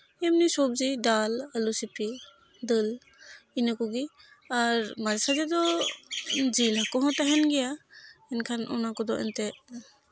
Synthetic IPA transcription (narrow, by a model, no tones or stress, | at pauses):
emnisɔb̚zidalalusipʰi | dɯl | inɯkuɡi | aɾmazesazed̪ɔ | d͡ʒilakɔɦɔ̃taɦɛnɡijaɛnkʰanɔ̰nakɔd̪ɔ̰ʔɛ̰nte